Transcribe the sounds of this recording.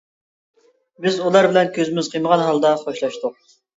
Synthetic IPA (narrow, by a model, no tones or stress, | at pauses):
bɪzulˠɑɾbɪlɛnkʲʰøzɪmɪz̥qʰəjməʁɑnɦɑlˠd̪ɑχoʃlˠɑʃt̪ʊq̚